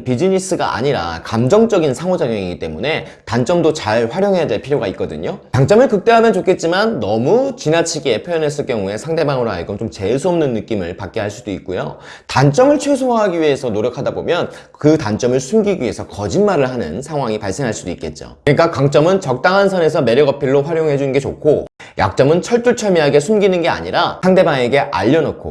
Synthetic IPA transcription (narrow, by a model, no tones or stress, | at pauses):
pid͡ʑiɲis͈ʰɯɡa̰ʔa̰ɲiɾa̰kamd͡ʑʌŋt͡ɕ͈ʌɡinsʰaŋod͡ʑaɡjʌŋiɡit͈emune̞ | tant͡ɕ͈ʌmdot͡ɕaɭɸwaɾjʌŋɦe̞jadwe̞ɭpʰiɾjoɡaik̚k͈ʌdɯ̰ɲotaŋt͡ɕ͈ʌmɯɭkɯk̚t͈eɦamjʌnt͡ɕokʰe̞t̚t͡ɕ͈imanːʌmut͡ɕinat͡ɕʰiɡe̞pʰjojʌnes̬͈ɯɭk͈jʌŋue̞sʰaŋde̞baŋɯɾoa̰ɭɡɯmt͡ɕomt͡ɕe̞sʰuʌmnɯnːɯk͈imɯɭpak̚k͈eɦaɭs͈udoik͈̚ojo̰ | tant͡ɕ͈ʌmɯɭt͡ɕʰwe̞sʰoɦaɡiɥiesʰʌnoɾjʌkʰadabo̰mjʌn | kɯtant͡ɕ͈ʌmɯɭsʰumɡiɡie̞sʰʌkʌd͡ʑinmaɾɯɭɦanɯ̰nsʰaŋɦwaŋipaɭs͈e̞ŋɦaɭs͈udoik͈e̞̰t̚t͡ɕ͈o̰ɲik͈akaŋt͡ɕ͈ʌmɯnt͡ɕʌk̚t͈aŋɦansʰʌne̞sʰʌme̞ɾjʌɡʌpʰiɭːoɸwaɾjoŋɦe̞d͡ʑunɯnɡe̞t͡ɕo̰kʰo | ja̰k̚t͡ɕ͈ʌmɯnt͡ɕʰʌɭt͈uɭt͡ɕʰʌɭmiɦaɡe̞sʰumɡinɯnɡe̞a̰ɲiɾasʰaŋde̞baŋe̞ɡe̞ʔa̰ʎːʌnʌkʰo̰